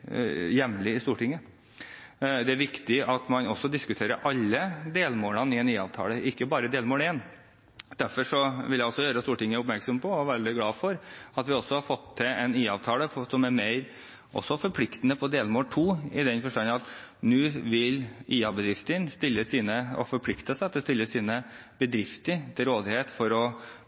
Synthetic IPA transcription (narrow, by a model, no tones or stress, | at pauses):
jɛmlɪɪst̪uːʈɪŋːə | d̪ɛæɾʋɪkt̪ɪɑt̪mɑnɔsːɔd̪ɪskʉt̪ʰeːɾəʔɑlːəd̪eːlmoːlɑnɪɛniːɑ̰ːʋt̪ʰɑ̰ːləɪkːəbɑːɾəd̪eːlmoːleːn | d̪̥æɾfɔʂɔʋɪljæɪɔsːɔjøːɾəst̪uːʈɪŋːəʊpmæɾksɔmpʰɔɔʋæːɾd̪ɪɡlɑːfɔɾɑt̪ʋɪɔsːɔhɑɾfɔt̪ʰːɪɛniːɑʋt̪ʰɑːləsɔmæɾmeæɪɾ | ʔɔ̰sːɔfɔɾpʰlɪkt̪ənəpʰɔd̪eːlmoːlʈ̪ʰuːɪd̪ɛnfɔʂʈɑnːɑt̪nʉːʋɪliːɑbəd̪ɾɪft̪ənst̪ɪlːəsiːnəɔ̰fɔɾpʰlɪkt̪əsæɑt̪ːəst̪ɪlːəsiːnəbəd̪ɾɪft̪əɾt̪ʰɪɾoːd̪ɪheːt̪fɔɾɔ